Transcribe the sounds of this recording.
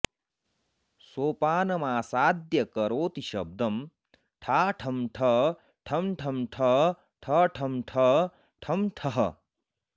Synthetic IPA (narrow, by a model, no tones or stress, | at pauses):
soːpaːnɐmaːsaːd̪jɐkɐɾoːt̪iʃɐ̰b̚d̪ɐm | ʈʰaːʈʰɐmʈʰɐ | ʈʰɐmʈʰɐmʈʰɐ | ʈʰɐʈʰɐmʈʰɐ | ʈʰɐmʈʰɐɦɐ̰